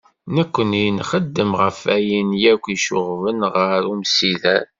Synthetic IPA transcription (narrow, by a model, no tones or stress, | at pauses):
nəkʷːənijnχəd̪ːəmʁəfæjənjækʷːiʃʊʁvənʁəɾumsilæ